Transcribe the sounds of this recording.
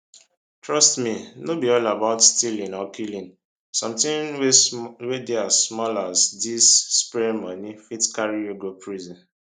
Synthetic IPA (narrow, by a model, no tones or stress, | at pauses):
tɹɔstminobiɔlabaʊtstilĩnɔkʰilĩn | sʌ̃mtĩnwwedeazsmɔlazdisːpɛɾimɔnifitkaɹioɡopʰɹizɔ̃n